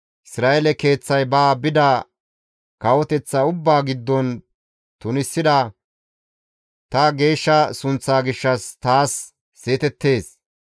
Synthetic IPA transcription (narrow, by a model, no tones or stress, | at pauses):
ʔɪsɾaːʔɛlɛke̞ːt͡sːɐjbaːbɪd̪ɐ | kɐwɔt̪ɛt͡sːɐʊbːaːɡɪd̪ːɔn | t̪ʊnɪsːɪd̪ɐ | t̪ɐɡe̞ːʃːɐsʊnt͡sːaːɡɪʃːɐst̪aːsː | eːt̪ɛt̪ːe̞ːs